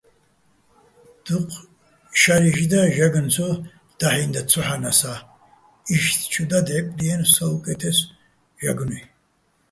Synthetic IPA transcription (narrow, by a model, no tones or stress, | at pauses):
d̪̥uqʼʰ | ʃaɾiʒd̪aʒaɡnt͡sʰɔ | d̪̥aħind̪at͡sʰɔħanasa | iʃt̪ʰt͡ʃʰud̪ad̪ʕɛpʼliɛnsaukʼɛt̪ʰɛs | ʒaɡni